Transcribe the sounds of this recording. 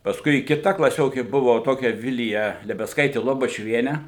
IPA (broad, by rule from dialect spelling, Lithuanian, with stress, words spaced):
pɐsˈkʊɪ kʲɪˈtɐ klˠɐˈsʲoːkʲeː ˈbʊʋoː ˈtoːkʲɛ ˈʋʲɪlʲɪjɛ lʲɛbʲɛsˈkɐɪtʲeː lˠoːbɐt͡ʃʲʊˈʋʲiɛnʲeː